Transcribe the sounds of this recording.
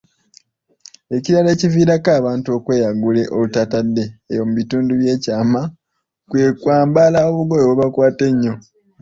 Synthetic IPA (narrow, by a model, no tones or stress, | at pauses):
e̞ciɾale̞ːciviːɾakaːβaːntuo̞kwe̞ːjaɡule̞ʔo̞βutatadːe̞ːjo̞muβituːnduβje̞ːcaːma | kwe̞ːkwaːmbalaoβuɡo̞joβoβakwaːte̞ɲːo̞